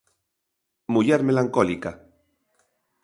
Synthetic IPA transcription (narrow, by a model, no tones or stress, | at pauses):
muʎaɾmelaŋkolika